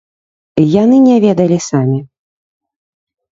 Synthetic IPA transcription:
janɨnʲɛvʲɛd̪ɐlʲisamʲi

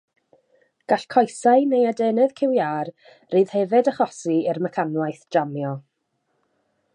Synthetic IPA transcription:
ɡ̥aɬkʰɔjsaɨnejadɛːnɛð̥kʰɪwjaːr | riːð̥hɛvɨdəχɔsiɪrməkʰanlajθd͡ʒ̥amjɔ

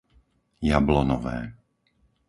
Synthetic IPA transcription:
jablɔnɔʋɛ̰ː

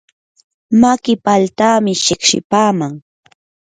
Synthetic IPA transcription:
makɪpalt̪aːmɪʃɪkʃɪ̰paːmaŋ

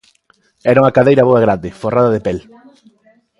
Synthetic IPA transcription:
ɛɾauŋakaðejɾaβoaɣ̞ɾand̪ɪforaðaðepɛl

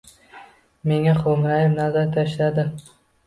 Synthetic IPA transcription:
me̞ŋaχomɾajɪmnazaɾt̪ʰaʃlad̪ɪ

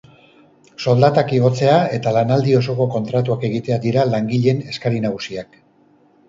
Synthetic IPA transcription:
so̞ld̪at̪akiɣo̞t͡se̞ae̞t̪alanald̪io̞so̞ko̞ko̞nt̪ɾat̪uake̞ɣ̞it̪e̞ad̪iɾalaŋɡiʎe̞ne̞skaɾinaɣusiak

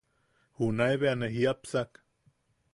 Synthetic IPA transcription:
hunaeβeaneɦiapsak

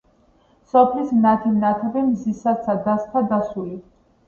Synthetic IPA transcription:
sɔpʰlismnat̪ʰimnat̪ʰɛbimzisasʰad̪ast̪ʰad̪asuli

